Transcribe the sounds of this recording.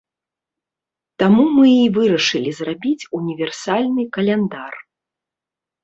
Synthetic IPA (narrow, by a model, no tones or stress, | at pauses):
t̪amumɨivɨɾɐʂɨlʲizrabʲit͡sʲunʲivʲɛrsalʲnɨkɐlʲɛnd̪ar